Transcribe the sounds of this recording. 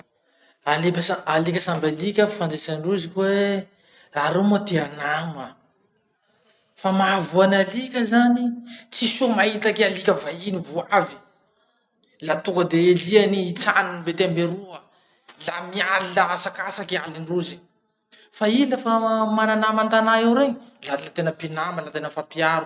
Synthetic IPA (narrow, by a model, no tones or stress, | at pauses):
alepʲəsaalikʲəsambalikʲəfand͡zesaniruzikʲwe | raɾemat̪eanamə | famavuanalikʲəzanit͡sisumaɦit̪akealikʲəvainivuavi̥ | lat̪ukəd̪eelianiːt͡saninbet̪eambeɾuə | lamialilaasakasakealinruzi̥ | failəfamananamant̪anaewɾeɲilalat̪enəpinaməlat̪enəfapiaɾu